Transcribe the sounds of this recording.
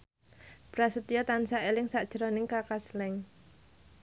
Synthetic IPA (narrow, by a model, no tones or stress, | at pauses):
b̥ɾasət̪ijɔt̪ansaʔelɪŋsaʔd̥ʒ̥əɾɔnɪŋkakaslɛŋ